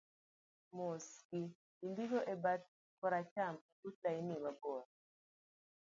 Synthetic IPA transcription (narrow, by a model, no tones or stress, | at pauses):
moski | indiɡɔʔebat̚ | kɔɾat͡ʃam | utainilabɔɾ